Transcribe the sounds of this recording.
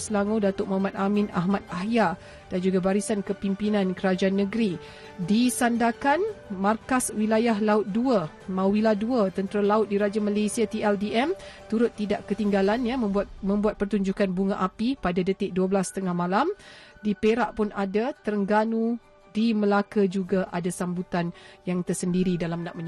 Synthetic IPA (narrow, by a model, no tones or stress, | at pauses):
səlaŋodat̪ʊʔ̚mamat̪̚ʔamɪna̰ɦmat̪̚aɦja | d̥and͡ʒuɡabaɾisankəpimpinãnkəɾad͡ʒaʔanːəɡɾi | disandakanmarkaswilajaɦlaʊt̪̚duə | mauwiladuət̪ənt̪əɾalaʊt̪̚diɾad͡ʒamalesiat̪iɛldiɛmt̪uɾʊt̪ːidaʔkət̪iŋɡalanjaməat̪mə̃mbuat̪̚pərt̪uɲd͡ʒukanbuŋaʔapipadadət̪ɪʔ̚duəbəlast̪əŋahmãlamdipeɾaʔpʊnadat̪əɾəŋɡanũ | diməlakad͡ʒuɡaʔadasambut̪anjaŋt̪ərsəndiɾidalamnãʔməɲ